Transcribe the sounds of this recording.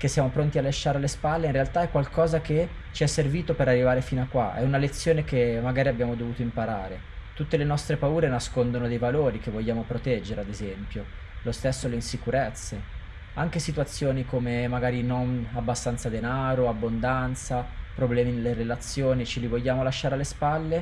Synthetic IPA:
k̟esːjaːmopɾont̪ialːaʃːaːɾalːespalːeinrealt̪aɛkːwalkɔːzake | t͡ʃiɛsːerviːt̪opeɾarːivaːɾefiːnakːwa̰ʔɛ̰unalet̪sːjoːnekemaɡaːɾiabjaːmod̪ovuːt̪oimpaɾa̰ːɾe | t̪ut̪ːelenɔst̪ɾepauːɾenaskond̪onod̪ejvaloːɾik̟evːoʎːaːmopɾot̪ɛd͡ʒːeɾead̪ezɛmpjo | lost̪esːoleinsikuɾet̪sːe | aŋk̟esit̪wat̪sːjoːnikomemaɡaːɾinonabːast̪ant̪sad̪enaːɾoabːond̪ant̪sapɾoblɛːminelːerelat̪sːjoːnit͡ʃilivoʎːaːmolaʃːaːɾealːespalːe

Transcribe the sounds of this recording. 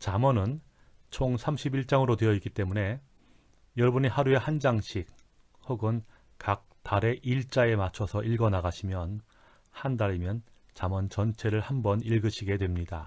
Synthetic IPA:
t͡ɕamʌnɯn | t͡ɕʰoŋsʰamɕʰibiɭt͡ɕ͈aŋɯɾodwe̞jʌik͈it͈e̞mune̞ | jʌɭbɯɲihaɾue̞hand͡ʑaŋɕʰik̚ | hoɡɯn | kak̚taɾe̞ʔiɭt͡ɕ͈ae̞mat͡ɕʰʌsʰʌʔiɭɡʌnaɡaɕʰimjʌn | handaɾimjʌn | t͡ɕamʌnt͡ɕʌnt͡ɕʰe̞ɾɯɭhambʌniɭɡɯɕʰiɡe̞dwe̞mɲida

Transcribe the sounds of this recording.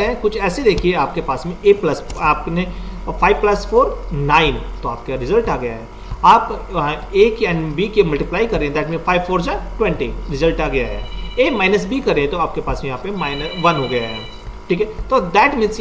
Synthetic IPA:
ɦɛ̃kʊt͡ʃʰɛːsed̪eːkʰieaːp̚kepaːsmẽʔeːplɐsaːp̚ne | fʰaːɪʋplɐsfoːɾnaːɪnt̪oa̰ːp̚kaɾɪzəlʈaːɡɐjaɦɛː | aːp | eːkiɛ̃ːɳɖbikimɐlʈiplaːikɐɾẽɦɛ̃d̪ɛːʈmẽːfʰaːɪʋfʰoːɾd͡ʒãʈwɛ̃ɳʈḭɾɪzəlʈaːɡɐjaɦɛ̰ːeːmaːɪnəsbʱikɐɾẽɦt̪oaːp̚kepaːsmẽjɐɦãpẽmaːɪnəʋɐnɦoɡɐjaɦɛː | ʈʰiːkɛt̪od̪ɛːʈmĩːns

